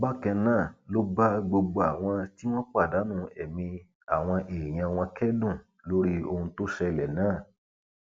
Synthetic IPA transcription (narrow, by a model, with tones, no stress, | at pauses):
ba˦kɛ̃˧nãː˦˨lo˦ba˦ɡ͡bo˧ɡ͡bo˧a˨w̃ɔ̃˧ti˦w̃ɔ̃˦k͡pa˦˨da˨˦nũ˦ɛ˨mĩ˧ | a˨w̃ɔ̃˧ʔeː˨j̃ã˧w̃ɔ̃˧kɛ˦dũ˦˨ | lo˦ɾi˦o˧hũ˧to˦ʃɛ˧˨lɛ˨nãː˦˨